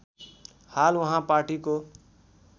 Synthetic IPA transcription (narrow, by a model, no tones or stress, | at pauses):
halwʌɦãpaʈiko